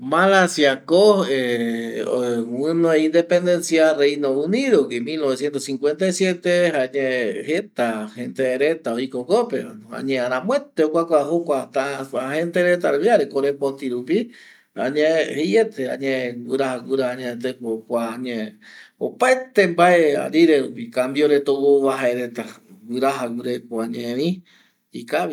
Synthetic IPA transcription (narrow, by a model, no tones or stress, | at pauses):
malasjakoe | wɨnõeind̪epend̪ensjarejnouniðokimilnoβesjent̪osiŋkwent̪ajsjet̪ehaɲẽhet̪ahent̪eɾet̪aoikokopea̰ɲẽaɾãmwet̪eokʷakʷaɦokʷat̪aahent̪eɾet̪̬alβjaɾekoɾepont̪iɾupi | a̰ɲẽhejet̪ʰeã̰ɲẽwɨɾahaɡuɾaaɲẽt̪̬ekokʷaɲẽo̰paet̪embaea̰ɾiɾeɾupikambjoɾet̪owoβaɦaeɾet̪a | wɨɾaɦaɡuɾekoaɲẽɾĩ | ikaβi